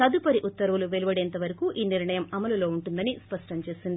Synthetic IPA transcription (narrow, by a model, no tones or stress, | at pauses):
ɐd̪upɐɾiʔut̪ːɐɾɐuluʋeluʋɐɽeːnt̪ɐʋɐɾɐkuʔiːniɾɳɐjɐmɐmɐlulo̞ːuɳʈund̪ɐnispɐʂʈɐmt͡ʃe̞ːsind̪i